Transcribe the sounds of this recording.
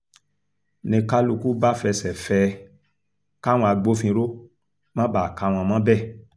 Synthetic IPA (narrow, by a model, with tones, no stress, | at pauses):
nĩ˧ka˦lu˧ku˦ba˦fɛ˧sɛ˨fɛ˧ | ka˦w̃ɔ̃˧a˧ɡ͡bo˦fĩ˧ɾo˦ | mã˦ba˨ka˨˦˨w̃ɔ̃˧mã˦bɛ˦˨